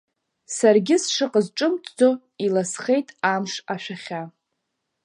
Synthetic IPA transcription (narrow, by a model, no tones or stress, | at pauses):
sarɡʲɪsʂɨqʼəzʈ͡ʂʼɨmtʰʼd͡zo | ilasχe̞jtʼamʂaʃᶣaχʲa